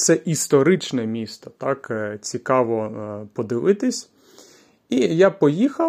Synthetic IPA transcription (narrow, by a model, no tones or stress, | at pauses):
t̪sɛʔist̪ɔɾɪt͡ʃnɛmʲist̪ɐt̪ɑkt͡sʲikɑʋɔpɔd̪ɪʋɪt̪ɪsʲ | ijapɔjixɐ